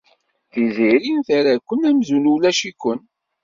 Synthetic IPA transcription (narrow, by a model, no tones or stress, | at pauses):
θiziɾinθæɾækʷːənæmzunulæʃikʷːən